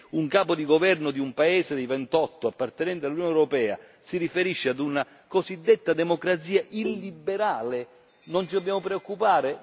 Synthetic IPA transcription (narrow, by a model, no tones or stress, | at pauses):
uŋkaːpod̪iɡovɛrnʊd̪iumpaeːzɪd̪ejvɛnt̪ɔt̪ːoapːart̪ɛnɛnt̪̬ealunjɔnɛwɾopɛːa̰ | sirifeɾiʃːead̪una | kosid̪ːet̪ːad̪ɛmokɾat̪siːaʔilːibeɾaːle | nont͡ʃid̪obːjaːmopɾeokːupaːɾe